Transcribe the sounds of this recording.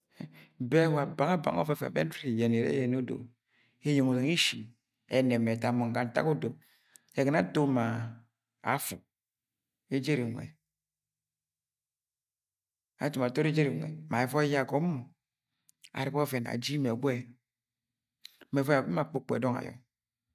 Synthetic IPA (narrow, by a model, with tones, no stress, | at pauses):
be˦wa˨ba˨ŋa˦ba̰˨ŋo̰˦fɔ˦fḛ˨bḛ˦n˦ti˦˨je˨ne˨ɾḛ˦je˨n˦o˦do̰˨ | e˦jo˨ŋo˨ze˨ŋi˦ʃi˨ | e˨ne˨me˨ta˦mo˨ŋ˨ɡa˨n̩˨ta̰˦ku˦do˨p | e˨ɡe˨na˦to˦ma˨ | a̰˨fṵ˨ | e˦d͡ʒe˦ɾi˨ŋʷ˨ḛ˨ | a˨tu˨ma˨to˦ɾi˦d͡ʒe˦ɾi˨ŋʷḛ˨ma˨e˨fɔ˦ja˦˨ɡo˨˦mo˨ | a̰˨ɾi˨ko˦fe˨na̰˨d͡ʒi˦me˨ɡʷe˦ | me˨ɔ˦a˨be˦ma˨k͡pu˦k͡pḛ˨dɔ˦ŋa̰˨jɔ̰˨